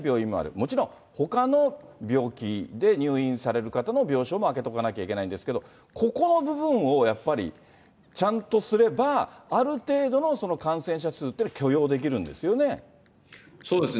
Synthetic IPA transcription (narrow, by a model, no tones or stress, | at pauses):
bʲjo̞ːĩmmoa̰ɾɯ̟̰mo̞t͡ɕiɾõ̞ | ho̞kano̞bʲo̞ːkʲid̪e̞ɲ̟ɨːĩɰ̃saɾe̞ɾɯ̟kat̪ano̞bʲo̞ːɕo̞ːmoake̞t̪o̞kanakʲaikʲe̞naĩnd̪esɨ̥ke̞d̪o̞ | kʰo̞ko̞no̞bɯ̟bɯ̟̃ɰ̃o̞japːaɾʲḭ | t͡ɕãnt̪o̞sɨɾe̞baːɾɯ̟t̪e̞ːd̪o̞no̞so̞no̞kãɰ̃sẽ̞ɰ̃ɕ̬at͡sɨːt̪ːeakʲʰo̞jo̞ːd̪e̞k̬ʲiɾɯ̟̃nd̪e̞sɨjo̞ne̞ | soːd̪es